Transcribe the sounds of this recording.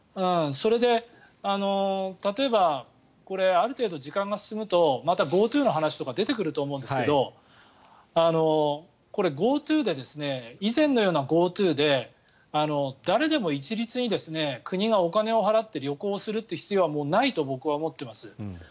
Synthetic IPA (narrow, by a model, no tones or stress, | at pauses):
ɯ̟̃so̞ɾe̞d̪e̞ | ano̞t̪at̪o̞e̞ba | ko̞ɾe̞aɾɯ̟t̪e̞ːd̪o̞ʑikãŋɡasɨ̥sɨmɯ̟t̪o̞mat̪aɡo̞ːt̪ɨːno̞ɦanaɕi̥t̪o̞kad̪e̞t̪e̞kɯ̟ɾɯ̟t̪o̞ːmo̞ɯ̃nd̪esɨke̞d̪o̞ | ano̞ | ko̞ɾe̞ɡo̞ːt̪ɨːd̪e̞d̪e̞sɨne̞izẽ̞nːo̞jo̞ːnaɡo̞ːt̪ɨːd̪e̞ | ano̞d̪aɾe̞d̪e̞mo̞it͡ɕiɾʲit͡sɨɲ̟id̪e̞sɨne̞kʰɯ̟ɲ̟iɡao̞kane̞o̞ɦaɾat̪ːe̞ɾʲo̞ko̞ːsɨɾɯ̟t̪ːe̟çi̥t͡sijo̞amo̞ːnait̪o̞bo̞kɯ̟βaomo̞t̪ːe̞masɨ